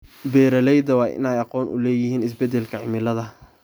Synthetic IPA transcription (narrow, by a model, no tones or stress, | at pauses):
bɛːɾɐlɛjd̪ɐwɑːʔɪ̰nɛjɑqɔːnʔʊ̰lɛːjɪhiːnɪs̬bɛd̪ɛlkʰɐʕɪmɪlɐðɐ